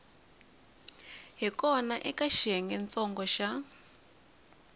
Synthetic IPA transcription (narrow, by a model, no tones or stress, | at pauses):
ɦikɔnaʔɛkaʃɛŋɡɛnt͡sɔŋɡɔʃa